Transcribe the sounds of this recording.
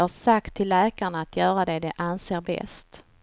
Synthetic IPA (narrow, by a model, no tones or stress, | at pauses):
haʂakt̪ʰːɪlːɛːkaɳaːt̪ʰjœːɾad̪ɛd̪ɛʔanseːɾbɛ̰st̪